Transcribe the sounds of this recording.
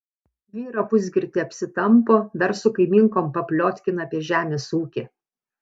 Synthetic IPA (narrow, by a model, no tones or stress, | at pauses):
ʋʲiːɾɐpʊzʲɡʲɪɾʲt̪ʲɪɐpʲsʲɪt̪ɐmpoːd̪ɐɾsʊkɐɪmʲɪŋkoːmpɐpʲlʲoːt̪ʲkʲɪnɐːpʲiɛʒʲæːmʲeːsuːkʲe